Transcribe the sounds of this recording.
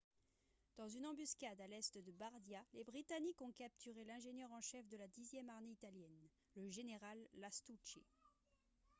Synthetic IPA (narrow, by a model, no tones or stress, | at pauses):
d̪̥ɑ̃zynɑ̃byskʲad̪alɛst̪d̪əbaʁd̪jalebʁit̪anikɔ̃kap̚t̪ʰyʁelɛ̃ʒenjœʁɑ̃ʃɛfd̪əlad̪izjɛmaʁmeit̪aljɛn | ləʒeneʁalːast̪ut͡ʃḛ